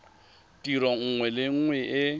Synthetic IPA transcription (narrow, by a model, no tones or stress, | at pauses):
tʼiɾɔŋ̩ŋwɛlɪŋ̩ŋwɛʔɪ